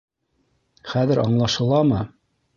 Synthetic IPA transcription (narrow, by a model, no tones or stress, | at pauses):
χæðɘɾɑɴlˠɑʃɤ̆lˠɑmɤ